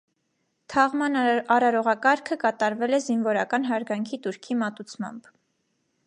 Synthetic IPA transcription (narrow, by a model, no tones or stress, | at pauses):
t̪ʰɑʁmɑnɑɾɑɾɔʁɑkɑɾkʰəkɑt̪ɑɾvɛlɛzinvɔɾɑkɑnɦɑɾɡɑŋkʰit̪uɾkʰimɑt̪ut͡sʰmɑ̰mb